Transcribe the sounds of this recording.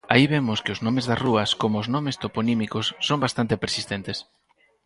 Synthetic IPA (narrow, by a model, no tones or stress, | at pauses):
a̰iβemʊskɪʊznɔ̃mezðɐzruɐskomoːznɔmest̪oponimikosːombast̪ant̪ɪpeɾsist̪ent̪es